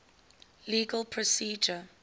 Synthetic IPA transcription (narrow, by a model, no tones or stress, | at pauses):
liːɡəlˠpʰɹɔsiːd͡ʒə